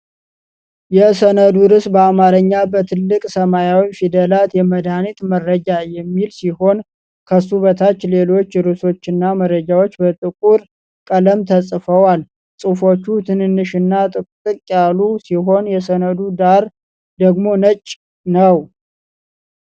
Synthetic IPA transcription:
jɛsənəd̪uɾɨsbəamaɾəɲːabət̪ʰɨlːɨkʼsəmajawifid̪əlat̪jɛməd̪anit̪məɾːəd͡ʒajɛmːilsiho̞n | kʰəsuβət̪ʰat͡ʃːle̞lo̞t͡ʃːɾɨso̞t͡ʃːɪnːaməɾːəd͡ʒawo̞t͡ʃːbət̪ʼɨkʼuɾ | kʼələmt̪ʰəsʼfəwal | sʼɨfo̞t͡ʃːut̪ʰɨnɨnːɨʃɨnːat̪ʼɨt̪ʼɨkʼːjalusiɦo̞njɛsənəd̪ud̪aɾ | d̪əɡmo̞nət͡ʃʼː | nəw

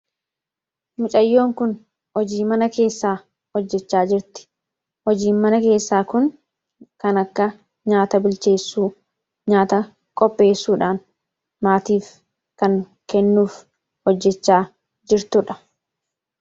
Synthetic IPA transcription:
mʊt͡ʃʼɐjːo̞ːŋkʊn | hɔd͡ʒiːmɐnɐke̞ːsːaː | hɔd͡ʒːɛt͡ʃːaːd͡ʒɪɾt̪ɪ̥ | hɔd͡ʒiːnmɐnɐke̞ːsːaːkʊn | kɐnɐkːɐ | ɲaːt̪ɐbɪlt͡ʃe̞ːsːuː | ɲaːt̪ɐ | kʼɔpʼːe̞ːsːuːᶑaːn | maːt̪iːf | kɐŋ | kɛnːuːf | hɔd͡ʒːɛt͡ʃːaː | d͡ʒɪɾt̪ʊᶑɐ̥

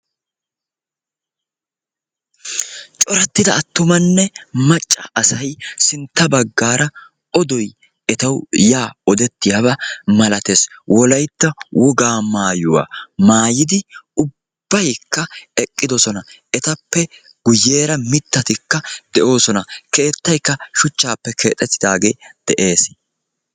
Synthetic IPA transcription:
t͡ʃʼɔɾɐt̪ːɪd̪ɐːt̪ːʊmɐnːɛmɐt͡ʃʼːɐːsɐjsɪnt̪ːɐbɐɡːaːɾɐ | ɔd̪ɔj | ɛt̪ɐwjaːɔd̪ɛt̪ːɪjɐβɐmɐlɐt̪eswʔɔlɐjt̪ːɐwɔɡaːmaːjʊwa̰ːmaːjɪd̪ɪʊbb̥ːɐjkːɐɛkʼːɪd̪ɔsɔnɐ | ɛt̪ɐpːɛ | ɡ̥ʊjːe̞ːɾɐmɪt̪ːɐt̪ɪkːɐd̪̥ɛʔo̞ːsɔnɐke̞ːt̪ːɐjkːɐʃʊt͡ʃːaːpːɛkʰe̞̰ːt̪ʼːɛt̪ːɪd̪aːɡe̞ːd̪̥ɛʔe̞ːs

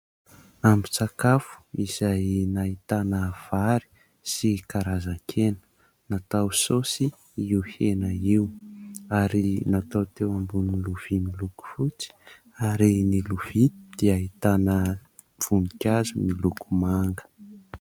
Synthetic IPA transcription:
ambi̥t͡sakafu̥iz̥ajnait̪anəv̥aɾi̥ | sikaɾazaŋkʰenə̥ | nat̪awsosi | iwhenəiwaɾinat̪awt̪ewambuniluv̥imiluku̥fut͡si̥ | aɾiniluv̥id̪̥iaɦit̪anə | v̥unikʲazumilukumaŋɡə̥

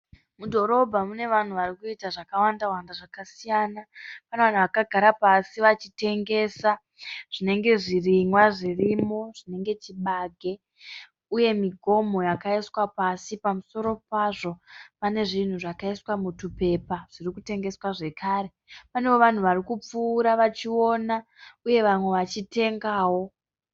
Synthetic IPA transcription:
mudʱo̞ɾo̞bʱamune̞ʋan̤uʋarikuitaʐakawandawandaʐakasijanapaneʋan̤uʋakaɡʱaɾapasiʋat͡ʃite̞ŋɡe̞ːsa | ʐ̥ine̞ŋɡe̞ʐirimwaʐirimo̞ʐ̥ine̞ŋɡe̞t͡ʃiɓaːɡʱe̞ | uje̞miɡʱo̞mo̞jakaiswapasipamuso̞ɾo̞paʐo̞pane̞ʐin̤uʐakaiswamutupe̞paʐ̥irikute̞ŋɡe̞swaʐe̞kʰaːɾe̞ | panewo̞ʋan̤uʋarikup͡fuːɾaʋat͡ʃio̞ːna | uje̞ʋamwe̞ʋat͡ʃite̞ŋɡaːwo̞

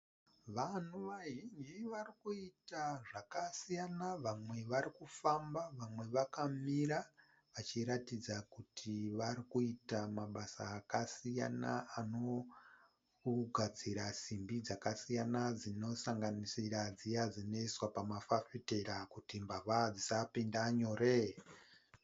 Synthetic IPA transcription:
ʋanuʋaʒind͡ʒiʋarikuitaʐakasijanaʋamwe̞ʋaɾikufambaʋamwe̞ʋakamiɾa | ʋat͡ʃiɾatid͡zakutʰiʋaɾikuitamaɓasaːkasija̰na̰ano̞ | ɡʱad͡ziɾasimbid͡zakasijanad͡zino̞saŋɡanisirad͡zijad͡zino̞iswapamafafite̞ɾakutimbaʋad͡zisapindaɲo̞ɾe

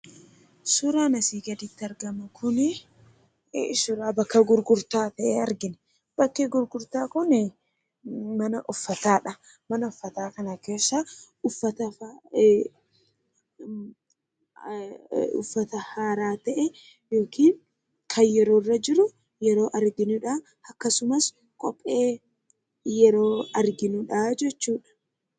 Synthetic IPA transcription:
suːɾaːnɐsiːɡɐd̪ɪt̪ːɪɐɾɡɐmʊkʰʊnɪ | sʊɾaːbɐkːɐɡʊɾɡʊɾt̪aːt̪ɐʔɛɐɾɡɪnɛ | b̥ɐkːɛɡʊɾɡʊɾt̪aːkʊn | mɐnɐʔʊfːɐt̪aːᶑɐ | mɐnɐʊfːɐt̪aːkɐnɐke̞ːsːa | ʊfːɐt̪ɐ | ʊ̰fːɐt̪ɐhaːɾaːt̪ɐʔɛ | jo̞ːkiːŋ | kʰɐnjɛɾoːrːɐd͡ʒɪɾʊ | jɛɾo̞ːʔɐɾɡɪnʊᶑa | ɐkːɐsʊmɐs | kʼɔpʼːe̞ː | jɛɾoːɐɾɡɪnʊᶑaːd͡ʒɛt͡ʃːuːᶑɐ̥

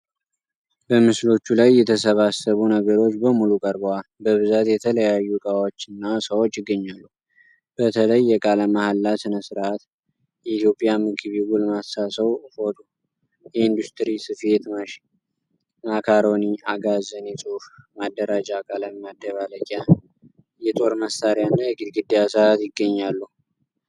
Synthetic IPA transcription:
bəmɨslo̞t͡ʃːulajːɛt̪ʰəsəβasəβunəɡəɾo̞t͡ʃːbəmulukʼəɾbowalbəβɨzat̪jɛt̪ʰələjajːukʼawo̞t͡ʃːɨnːasəwot͡ʃːjɪɡːəɲːalːu | b̥ət̪ʰələjːɛkʼaləmahalːasɨnəsɨɾʔat̪ | jɛit̪ʰjo̞pʼjamɨɡɨβiɡulmasːasəwho̞t̪u | jɛind̪ust̪ʰɾisɨfe̞t̪maʃ | makʰaɾo̞niaɡazənjɛsʼufmad̪ːəɾad͡ʒakʼaləmmad̪ːəβaləkʼa | jɛt̪ʼo̞ɾməsaɾjanːajɛɡɨd̪ɡɨd̪ːijasɨat̪jɪɡːəɲːalːu

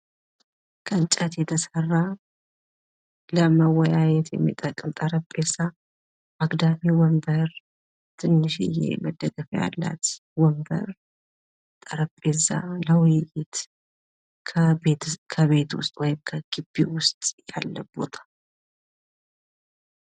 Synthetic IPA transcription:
kʰənt͡ʃʼət̪jɛt̪ʰəsərːa | ləməwɔjajɛt̪jɛmːḭt̪ʼəkʼːɨmt̪ʼəɾəpʼːesa | ʔaɡd̪amiwɔmbəɾ | t̪ʰɨnːɨʃɪ̰jḛməd̪əɡəfja̰lːa̰t̪ | wɔmbə̰ɾ | t̪ʼəɾəpʼːeza̰ləwʊjɪjɪt̪ | kʰəekʰəβe̞t̪wʊst̪ʼwɔjɪmkʰəɡ̥ɨbːiwʊst̪ʼja̰lːəbo̞̰t̪ʰḁ

